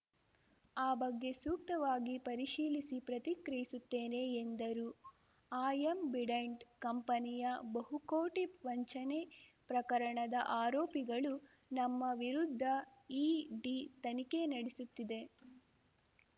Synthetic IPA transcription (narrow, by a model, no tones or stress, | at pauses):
aːbɐɡːe̞suːk̚t̪ɐʋaːɡipɐɾiʃiːlisipɾɐt̪ikɾɐjisut̪ːeːne̞ːnd̪ɐɾu | aːjembiɽɐɳɖkɐmpɐnijɐbɐɦukoːʈiʋɐɲt͡ʃɐnepɾɐkɐɾɐɳɐd̪ɐʔaːɾoːpiɡɐɭu | nɐmːɐʋiɾud̪ʱːɐiːɖit̪ɐnike̞nɐɽisut̪ːid̪e̞